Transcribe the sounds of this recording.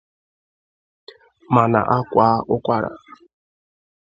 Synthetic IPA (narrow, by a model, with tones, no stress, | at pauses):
ma˨na̰˨ʔa˦kʷa˦ʔʊ˦kʷa˦ɾa̰˨